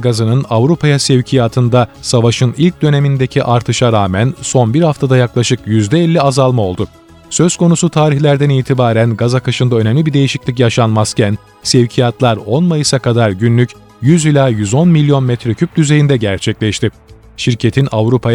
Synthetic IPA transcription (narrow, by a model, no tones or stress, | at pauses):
ɡazɯnɯnavɾupʰajasevcʰijaːt̪ʰɯnd̪asavaʃɯnilʲc̚d̪ø̞nemind̪ecʰiʔaɾt̪ʰɯʃaɾaːmænso̞nbiɾhaft̪ʰad̪ajaklˠaʃɯkjyzd̪ɛɛlʲːiazalˠmao̞lˠd̪ʊ | sø̞z̥kʰo̞nusut̪ʰaːɾiçlʲæɾd̪æniːt̪ʰibaːɾænɡazakaʃɯnd̪aønɛmlʲibiɾd̪ejiʃiclʲic̬jaʃanmascʰæn | sevcʰijat̪lˠaɾo̞nmajɯsakʰad̪aɾɟynlʲyc | jyzilʲaːjyzo̞nmilʲːjo̞nmɛt̪ɾecʰyp̚d̪yze̞jind̪ɛɟæɾt͡ʃʰɛclʲɛʃt̪ɪ | ʃiɾcʰe̞t̪ʰinʔavɾupʰa